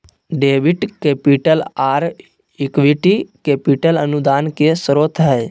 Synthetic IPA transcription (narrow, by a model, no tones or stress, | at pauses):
ɖeːʋɪʈkeːpiʈəlaːɾ | ɪkʋiʈikeːpiʈələnud̪aːnkesəɾoːt̪ʰɦɛː